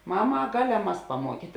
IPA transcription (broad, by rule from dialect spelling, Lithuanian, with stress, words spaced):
ˈmɑːˌmɐ ɐ ˈɡɑːˌlʲɛm mɐs pɐˈmuɔkʲiːtʲ